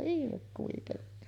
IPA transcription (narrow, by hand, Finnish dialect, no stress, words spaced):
ihmek kuitenːi